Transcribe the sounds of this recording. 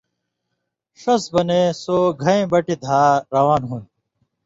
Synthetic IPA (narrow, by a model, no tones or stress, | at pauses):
ʂɐsbɐnesoːɡʱɐẽːbɐʈid̪ʱaːɾɐwaːnɦuːn